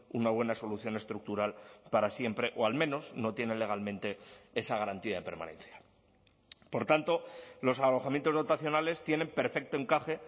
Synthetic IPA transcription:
unaβ̞we̞naso̞luθjo̞ne̞st̪ɾuk̚t̪uɾalpaɾasje̞mpɾe̞ʔoalmẽ̞no̞sno̞t̪je̞ne̞le̞ɣ̞almẽ̞nt̪e̞e̞saɣaɾant̪iaðepe̞ɾma̰nẽ̞̰nθja | po̞ɾt̪ant̪o̞lo̞salo̞xamjent̪ozðo̞t̪aθjo̞nale̞st̪je̞ne̞mpe̞ɾfe̞k̚t̪o̞e̞ŋkaxe̞

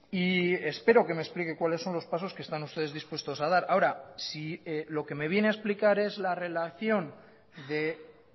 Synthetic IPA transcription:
ie̞spe̞ɾo̞ke̞mesplike̞kwalesːo̞nlo̞spaso̞skest̪anust̪e̞ð̞e̞zðispwest̪o̞sað̞aɾaoɾasilo̞ke̞me̞β̞je̞neaesplikaɾe̞zlare̞laθjo̞n | d̪e

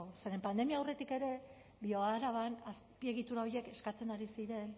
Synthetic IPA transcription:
se̞ɾe̞mpand̪e̞miaːwre̞t̪ike̞ɾe̞ | bio̞aɾaβanaspie̞ɣ̞it̪uɾao̞je̞ke̞skat͡se̞naɾisiɾe̞n

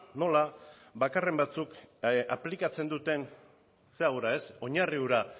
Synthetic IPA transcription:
no̞laβakare̞mbat͡sukaplikat͡se̞nd̪ut̪e̞n | seawɾae̞so̞ɲariuɾa

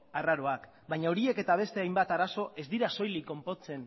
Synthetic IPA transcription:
araɾo̞ak | bajɲaoɾie̞ke̞t̪aβ̞e̞st̪e̞ajmbat̪aɾaso̞ʔe̞zd̪iɾaso̞jliko̞mpo̞t͡se̞n

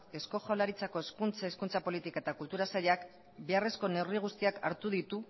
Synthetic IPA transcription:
e̞sko̞xolaɾit͡sako̞eskunt͡seskunt͡sapo̞lit̪ikaet̪akult̪uɾasaʎak | beare̞sko̞ne̞wriɣ̞ust̪iaka̰ɾt̪uðit̪u

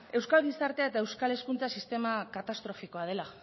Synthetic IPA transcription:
e̞wskalɣisaɾt̪e̞ae̞t̪ae̞wskale̞skunt͡sasist̪e̞makat̪ast̪ɾo̞fiko̞að̞e̞la

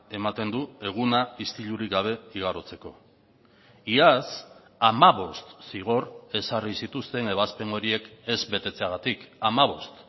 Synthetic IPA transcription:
e̞mat̪e̞nd̪ue̞ɣ̞unaist̪iʎuɾikɡaβ̞e̞iɣ̞aɾot͡se̞ko̞ | ias | amaβo̞st̪siɣ̞o̞re̞sarisit̪ust̪e̞ne̞β̞aspe̞no̞ɾie̞ke̞zβe̞t̪e̞t͡se̞aɣat̪ikamaβ̞o̞st̪

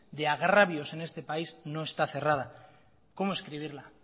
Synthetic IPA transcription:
d̪e̞aɣ̞ɾaβjo̞se̞ne̞st̪e̞paizno̞e̞st̪aθe̞rað̞a | ko̞moeskɾiβ̞iɾla

